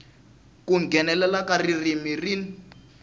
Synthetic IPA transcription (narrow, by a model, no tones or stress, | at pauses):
kuŋɡʱɛnɛlɛlakaririmirin